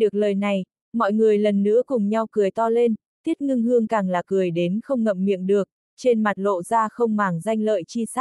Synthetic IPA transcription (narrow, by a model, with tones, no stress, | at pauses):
ɗɨ˨˩ək̚ləː˨˩jna˨˩j | mɔ̰˧˨jŋɨ˨˩əjlə˨˩nːɨ̰˧˥əkʊ˨˩ŋ͡mɲa˧wkɨ˨˩əjt̪ɔ˧le˧n | t̪i˦˥ət̚ŋɨ˧ŋhɨ˧əŋkaː˨˩ŋlaː˨˩kɨ˨˩əjɗe˨˦nxə˧wŋ͡mŋə̰˧˨mmḭ˧˨əmɗɨ˨˩ək̚ | t͡ɕe˧nma˨˩t̚lo̰˧˨zaː˧xə˧wŋ͡mmaː˨˩ŋza˧jŋ̟lə̰ː˧˨jt͡ɕi˧saː˦˥